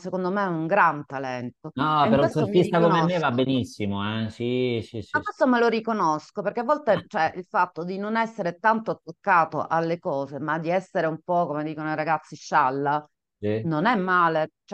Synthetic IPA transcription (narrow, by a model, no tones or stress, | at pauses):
sekond̪omeɛuŋɡɾant̪alɛnt̪onɔkeɾessomfist̪akonmemːevabːenisːimoɛsisisakːest̪omelorikonoskoperk̟eavːɔlt̪et͡ʃɛʔilfat̪ːod̪inonɛsːeɾet̪ant̪oat̪ːokːaːt̪o̰ʔalːekɔːzemad̪iɛsːeɾeumpɔkomed̪iːkonoiɾaɡat̪sːiʃalːa | inonɛmːaːlet͡ʃ